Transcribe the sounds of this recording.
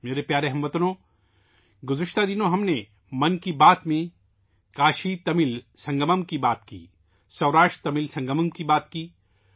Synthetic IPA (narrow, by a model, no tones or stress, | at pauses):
meːɾepjaːɾeɦɐmʋɐt̪ənõː | ɡʊzɪʃt̪ad̪ɪnõɦɐmne | mɐnkibaːt̪mẽ | kaːʃit̪ɐmɪlsɐ̃ŋɡəməmkibaːt̪kḭː | sɐʋɾaːʃʈt̪ɐmɪlsɐ̃ŋɡəməmkibaːt̪kiː